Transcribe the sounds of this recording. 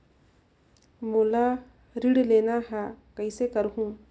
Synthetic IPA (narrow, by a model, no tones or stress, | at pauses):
moːla | ɾiɽleːnaɦɛkəɪsekəɾɦũː